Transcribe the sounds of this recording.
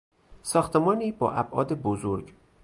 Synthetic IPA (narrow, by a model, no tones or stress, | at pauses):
sɒːxt̪ʰemɒːniːbɒ̰ːʔæbʔɒ̰ːd̪ebozoɾɟ